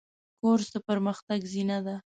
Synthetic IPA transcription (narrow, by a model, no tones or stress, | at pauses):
koɾzd̪əpəɾməxt̪aɡzinad̪a